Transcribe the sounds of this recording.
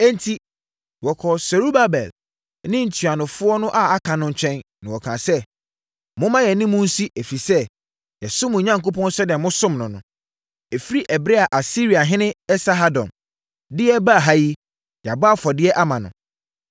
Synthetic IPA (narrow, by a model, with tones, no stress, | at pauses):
ɛ̃˦n˦tʰi˦ | wɔ˨kʰɔ˨sɛ˨ɾu˦ba˦bɛ̰˨l | nɪ̃˦n̩˨tʰɥa˨nʊ̃˨fʊ˦ɔ˦nʊ̃˦ʔa˨a˦kʰã˨nʊ̃˦ɲ˦t͡ɕʰᶣɛ̃˦nnã˨wɔ˨kʰãː˨sɛ˦ | mʊ̃˦mã˦jɛ˨nɪ̃˦mʊ̃˦n̩˦si˦ʔæ˨fi˨sɛ˦ | jɛ˨sʊ˦mʊ̃˨ɲã˦ŋ˨ko˦pʰɔ̃˦n˦sɛ˦dɪ˨ɛ̃˨mʊ̃˦sʊ̃˦mnʊ̃˨nʊ̰̃˨ | ɛ˨fi˦ɾi˦ʔɛ˨bɾe˦a˨ʔa˨si˦ɾi˨a˨ɦɪ̃˦nɪ̃˦ɛ˦sa˦ɦa˦dɔ̰̃˨m | dɪ˦ɛ˦ba˦˨ɦa˦ji˦ | ja˨ba˦fɔ˨dɪ˦ɛ˦ʔa˦mã˨nʊ̰̃˨